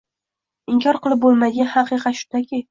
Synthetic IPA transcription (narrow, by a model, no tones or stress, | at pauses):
ɪŋkʰʲɒɾqɨlˠɪp̚bolˠmad̪ɪɡʲanhɑqɨqʰɑt̪ʃʊ̥d̪akʲʰɪ